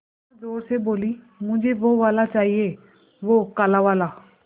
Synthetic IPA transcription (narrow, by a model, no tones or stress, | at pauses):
ad͡zoɾseboliː | m̤ũɲd͡ʑeʋoʋalat͡ʃaɦie | ʋokalaʋala